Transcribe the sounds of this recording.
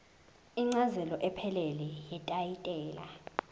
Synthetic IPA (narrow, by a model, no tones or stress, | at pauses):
iŋ͡ǀazɛlɔʔɛpʰɛlɛlɛjɛtʼajitʼɛːla̰